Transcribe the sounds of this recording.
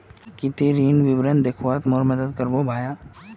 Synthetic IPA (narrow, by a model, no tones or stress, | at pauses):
kɪt̪iɾiːnʋɪbɾənd̪ekʰʋaːt̪moːɾməd̪əd̪kəɾbobʱaːjaː